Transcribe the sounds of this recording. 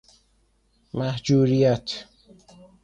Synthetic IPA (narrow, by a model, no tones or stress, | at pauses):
mæhd͡ʒuːɾijæt̪ʰ